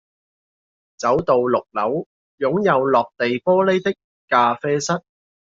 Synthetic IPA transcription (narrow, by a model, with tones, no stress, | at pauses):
t͡sɐ˨˥wt̪o˨wlʊ˨k̚lɐ˨˥w | jʊ˨˥ŋjɐ˨˧wlɔː˨k̚t̪e˨jpɔː˥le˥jt̪ɪ˥kːaː˧fɛː˥sɐ˥t̚